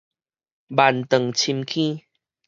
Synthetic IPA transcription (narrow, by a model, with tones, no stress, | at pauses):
ba˨˩nt̪ə˨˩ŋt͡ɕʰi˧mkʰĩ˦